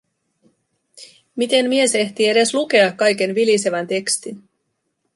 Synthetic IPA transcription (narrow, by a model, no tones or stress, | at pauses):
mit̪e̞mmie̞se̞ht̪ie̞de̞sluke̞ɑkːɑjke̞nʋilise̞ʋænt̪e̞kst̪in